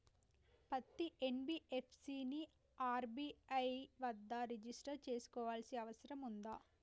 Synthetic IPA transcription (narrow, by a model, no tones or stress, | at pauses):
pɐt̪ːiʔenbiʔepʰsiːni | aːɾbiːɐjʋɐd̪ːaːɾed͡ʒisʈɐɾt͡ʃe̞ːsu̥kɔːʋaːlsiɐʋɐsɐɾɐmund̪aː